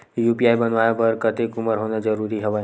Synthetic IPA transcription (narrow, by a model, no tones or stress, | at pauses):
juːpiaːibɐnʋaːjapɐɾkɐt̪ekʊməɾɦoːnad͡ʒəɾuːɾiɦɐʋa